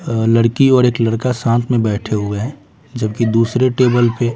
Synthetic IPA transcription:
ləɽkiɔːɾeːkləɽkasãːnt̪ʰmẽbɛːʈʰeɦʊeɦɛ̃ː | d͡ʒəbkid̪uːsɾeʈeːbəlpe

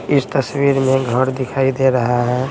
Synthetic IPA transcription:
ɪst̪əswiɾmẽɡʱəɾd̪ɪkʰaːid̪eɾəɦaɦɛ̃

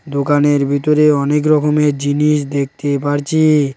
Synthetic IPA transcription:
d̪okaneɾbʱit̪oɾeɔnek̬ɾɔkomeɾd͡ʑiniʃd̪ek̚ʰt̪epaɾt͡ɕʰi

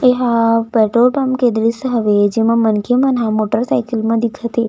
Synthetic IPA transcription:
eɦapɛʈɾolbamkẽd̪ɾisəɦəʋed͡ʒemãmənkʰemənɦãmoʈəɾsajkəlmãd̪ikʰət̪e

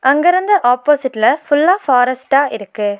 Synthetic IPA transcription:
ʔɐŋɡɐɾɯnd̪ɐʔaːpːoːsɪʈːlɐfʊlːaːfaːɾɐsʈaːʔɪɾɯkːɯ

